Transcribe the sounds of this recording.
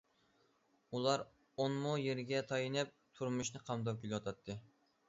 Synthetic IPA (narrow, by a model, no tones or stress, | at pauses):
ulˠɑɾ | onmujeɾɡʲɛt̪ʰɑjɨnɨp̚t̪ʰuɾmuʃnɨqʰɑmd̪ɑp̚kʲelwɑt̪ʰɑt̪ʰːɨ